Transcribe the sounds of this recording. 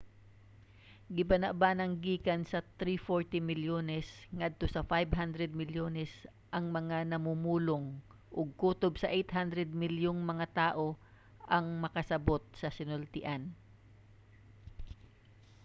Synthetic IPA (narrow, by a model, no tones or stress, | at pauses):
ɡɪbɐnɐʔbanɐŋɡiːkɐnsɐt̪ɾifoɹt̪ɪmɪljoːnɛsŋɐd̪̚t̪o̞sɐfajbɦand̪ɾɛd̪̚mɪljoːnɛs | ʔɐŋmɐŋanɐmuːmuːloŋ | ʔʊɡ̚kuːt̪obsɐʔejt̪ɦand̪ɾɛd̪̚mɪljoŋmɐŋat̪aːʔo̞ | ʔɐŋmɐkɐsɐbo̞t̪̚sɐsɪnolt̪ɪʔan